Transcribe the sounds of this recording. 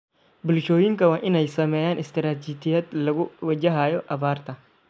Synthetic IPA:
bʊlʃoːjɪŋkɐwaːʔɪnɛjsɐmɛːjaːnɪst̪ɪɾaːt̪ɪt̪ɪjɐd̪lɐɣʊwɐd͡ʒɐɦaːjɔʔɐbaːrt̪ɐ

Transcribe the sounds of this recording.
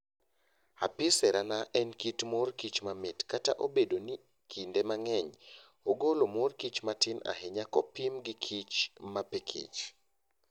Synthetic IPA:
a̰pɪsɛɾanaʔɛnkitmorkit͡ʃmamɪtkata̰ʔobedoni | kʰindemaŋɛɲ | oɡolomorkit͡ʃmatɪna̰ɦeɲakɔpimɡɪkʰit͡ʃmapekʰḛt͡ʃ

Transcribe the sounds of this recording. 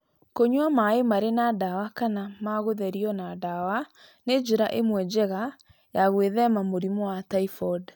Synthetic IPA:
koɲwamaemaɾenadawakanamaɣoðɛɾiɔnadawa | ned͡ʒeɾaʔemwɛd͡ʑɛɣa | jaɣweðɛmamoɾimɔwataifɔd

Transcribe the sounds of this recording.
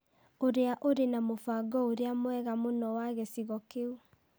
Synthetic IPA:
oɾeaʔoɾenamofaɡɔoɾeamwɛɣamonɔwaɣɛsiɣɔkeu

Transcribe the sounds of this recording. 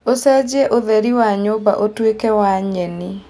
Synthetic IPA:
osɛd͡ʑɛʔoðɛɾiwaɲoba̰ʔotwekɛwaɲɛni

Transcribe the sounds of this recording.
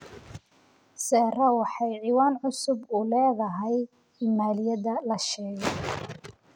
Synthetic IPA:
sɛːrɐwɑħɑjʕiːwaːnʕʊsʊbʊlɛːðɐɦɛj | ɪmaːlɪjɐðɐlɐʃɛːɣɛ

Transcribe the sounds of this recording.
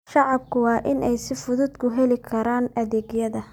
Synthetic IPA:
ʃɑʕɑb̚kʰʊwɑːʔɪnɛjsɪfʊðʊd̪kʰʊɦɛlɪkʰɐɾaːnɐðɛːɡjɐðɐ

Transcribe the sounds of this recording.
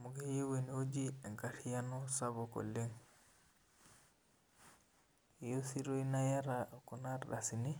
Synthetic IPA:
muɡɛjiwenod͡ʒiɛŋɡatijanɔsabɔkɔ̰lːɛŋ | josiɾoinajaɾakɔnaɾɗa̰sini

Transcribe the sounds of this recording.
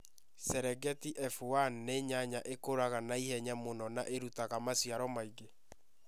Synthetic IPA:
sɛɾɛɡɛtiʔɛfuanneɲaɲaʔekoɾaɣanaihɛɲamonɔnaʔeɾutaɣamasiaɾɔmaiɣe

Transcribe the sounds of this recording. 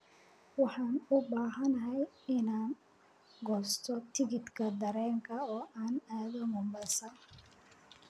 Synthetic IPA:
wɑħɑːnʊbaːɦɐnɐɦɛjɪnaːn | ɡɔːst̪ʰɔt̪ʰɪɣɪd̪kʰɐd̪ɐɾɛːŋkʰɐɔːʔaːnaːðɔmʊmbɐsɐ

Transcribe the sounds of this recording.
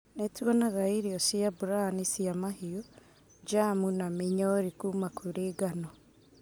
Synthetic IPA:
netiɔnaɣaiɾiɔsiabuɾanisijamahijo | d͡ʒamunamiɲɔɾikuːmakʰuɾeɡanɔ

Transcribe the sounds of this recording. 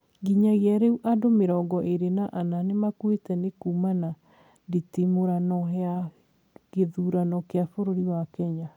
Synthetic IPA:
ɡiɲaɣeaɾeuʔadomeɾɔːɡɔʔeɾenaʔananemakwetɛnekuːmana | nditimoɾanɔɦɛa | ɣeðuːɾanɔkeafoɾoɾiwakɛɲa

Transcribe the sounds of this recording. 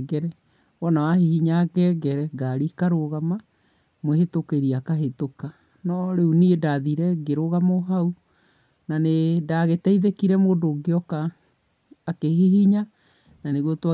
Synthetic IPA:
ɡɛɾɛ | wɔnawahihiɲaɣɛɡɛɾɛɡaɾikaɾoɣama | mwehetokeɾiakaɦetoka | nɔɾeuniedaðiɾɛɡeɾoɣamoɦau | nanedaɣetɛiðekiɾɛmodoɡeɔkaː | keɦiɦiɲa | naneɣwotwa

